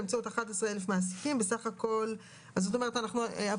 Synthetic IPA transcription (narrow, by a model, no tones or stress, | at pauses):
amt͡seotaχat̪esʁeelefmaas̬i̥kimbesaχako̞l | azot̪̬o̞me̞ʁet̪anaχnua